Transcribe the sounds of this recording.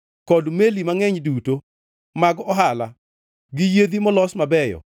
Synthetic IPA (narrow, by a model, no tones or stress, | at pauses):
kɔdmelimaŋɛɲduto | maɡɔɦala | ɡɪjed̪imɔlɔsmabɛjɔ̰